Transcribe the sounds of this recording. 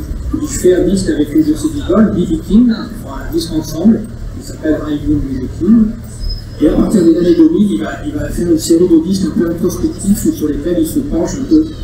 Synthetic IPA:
ilfɛãdist̪avɛklezəseziɡɔlbivikʲin | ɔ̃aad̪iskɑ̃sɑ̃bl | kisapɛlʁajbummizikʲʰin | eapaʁt̪iʁd̪əzanad̪ɔmililvailvafɛʁynseʁid̪əlist̪ɛ̃pøɛ̃t̪χɔspɛk̚t̪ifsyʁlekʲɛlilsəpɑ̃ʃɛ̃pø

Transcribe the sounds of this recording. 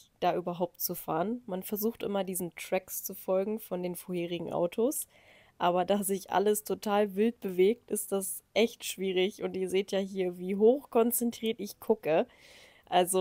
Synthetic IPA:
d̥aːʔyːbɐɦaʊp̚tt͡sufaːʁənmanfɛɐzuːxtʔɪ̰mɐdiːzn̩tʁ̥ɛkst͡sufɔlɡŋ̩fɔndeːnfoɐheːʁ̞ɪɡŋ̩ʔa̰ʊtʰos | ʔaːβɐdaːzɪçʔa̰ləstʰotʰaːlvɪlt̚b̥əveːk̚tɪstd̥as | ʔɛçtʃv̥iːʁ̞ɪçʊntiːɐzeːtjaːɦiːɐviːɦoːxkʰɔnt͡sɛntʁ̥iːɐtʔɪçkʰʊkə | ʔalzo

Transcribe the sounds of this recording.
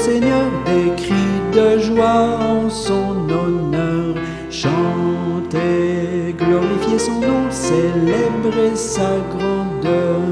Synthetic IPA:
seɲœʁd̪ekχid̪əʒwaɑ̃sɔ̃nɔnœʁ | ʃɑ̃t̪eɡlɔʁifjesɔ̃nɔ̃selebʁesaɡʁɑ̃d̪œʁ

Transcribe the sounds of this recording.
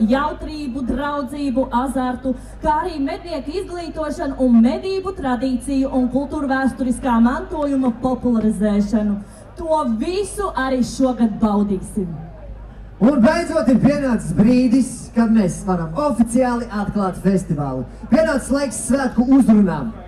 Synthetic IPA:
jawt̪ɾiːbud̪ɾawd̪ziːbuʔazaɾt̪u | kaːaɾiːmed̪̚niɛkizɡlˠiːt̪uɔʃanuʔunmed̪iːbut̪ɾad̪iːt̪sijuʔunkulˠt̪uːɾvæːst̪ɔɾiskaːmant̪uɔjumɐpɔpulˠaɾizɛːʃanu | t̪uɔvisuʔaɾiːʃuɔɡad̪̚bawd̪iːsim | unbejd̪zuɔt̪ipiɛnaːssbɾiːd̪iskameːsvaɾamɔfit̪siaːlˠiʔat̪klˠɑːt̪fest̪iva̰ːlˠu | piɛnaːt̪slˠajksːvæːt̪kuuzɾunaːm

